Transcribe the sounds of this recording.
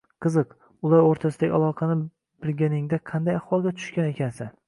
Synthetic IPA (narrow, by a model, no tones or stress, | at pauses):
qʰɨzɨq | ʊlˠaɾoɾt̪ʰasɪd̪aɡʲɪa̰lˠɒqʰɑnɪ | b̥ɪlɡʲanɪŋd̪aqʰɑnd̪ajahwɒlˠɡʲat̪ʰʊ̥ʃkʲane̞kʲʰansɪn